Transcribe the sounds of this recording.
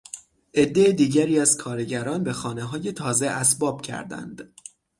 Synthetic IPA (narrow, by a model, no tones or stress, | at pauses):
ʔe̞d̪ːe̞ed̪iːɟæɾiːæzkʰɒːɾeɟæɾɒːnbe̞xɒːne̞ɦɒːje̞t̪ʰɒːze̞ʔæsbɒːb̥̚cʰæ̰ɾd̪æ̰nd̪̥